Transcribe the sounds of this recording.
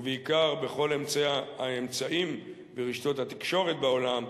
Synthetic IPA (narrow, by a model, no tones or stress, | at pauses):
veikaʁbe̞χo̞le̞mt͡seaemt͡saʔim | veʁiʃt̪o̞t̪hat̪i̥kʃo̞ʁe̞t̪̚beo̞lam